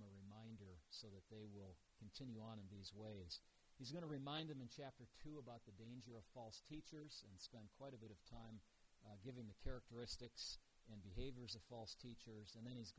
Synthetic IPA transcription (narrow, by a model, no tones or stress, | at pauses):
məɹɨmãɪ̃ndə˞soʊðɨt̪̚ðeɪwɪlˠ | kʰɨ̃n̩tʰɪ̃njʉə̃nɨ̃nðizweɪz̥ | hizɡʌnəɹɨmãɪ̃nd̪̚ðɨ̃mɨ̃nt͡ʃʰæp̚tə˞tʰuəbaʊt̪̚ðɨdẽɪ̃nd͡ʒə˞ʌv̥fɔlˠstʰit͡ʃə˞z̥ɨ̃nspɛ̃nkʰw̥aɪɾɨbɪɾʌv̥tʰãɪ̃m | ɡɪvɪ̃ŋðɨkʰɛɹɨk̚tə˞ɪstɨks | ɨ̃nbɨɦeɪvjə˞zʌv̥fɔlˠstʰit͡ʃə˞zɨ̃nðɨ̃ñiz